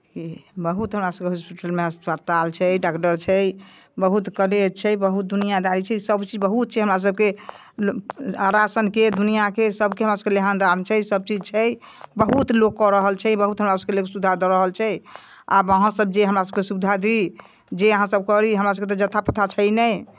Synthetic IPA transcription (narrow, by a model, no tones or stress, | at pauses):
kibəɦut̪ɦəmɾasəb̚keɦospiʈəlmeɦəspət̪alt͡ʃʰɛɖakʈəɾt͡ʃʰɛj | bəɦut̪kəlet͡ʃʰɛjbəɦut̪̚d̪unijad̪aɾit͡ʃʰɛsəbt͡ʃid͡ʒbəɦut̪̚t͡ʃʰɛɦəmɾas̬əb̚ke | aɾasənked̪unijakesəbkeɦmɾasəbkeleɦand̪amt͡ʃʰɛjsəb̚t͡ʃid͡ʒt͡ʃʰɛj | bəɦut̪lokːɔɾəɦəlt͡ʃʰɛjbəɦut̪ɦəmɾasəb̚kelekesud̪ʱad̪ɔɾəɦəlt͡ʃʰɛj | a̰bəɦãsəb̚d͡ʒeɦəmɾasəb̚kesud̪ʱad̪i | d͡ʒeəɦãsəbkəɾiɦəmɾas̬əb̚ket̪ɔd͡ʒət̪ʰapət̪ʰat͡ʃʰɛjnɛj